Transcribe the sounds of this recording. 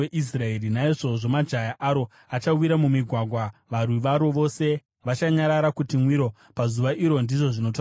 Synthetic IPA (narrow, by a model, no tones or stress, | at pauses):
eʔis̬raerinaeʐo̞ʐo̞mad͡ʒajaʔaɾo̞ | at͡ʃawiɾamumiɡʱwaɡʱwaʋarwiʋaɾo̞ʋo̞se̞ | ʋat͡ʃaɲaɾaɾakutimwiɾo̞ | pazuʋaʔiɾo̞ndiʐo̞ʐino̞ta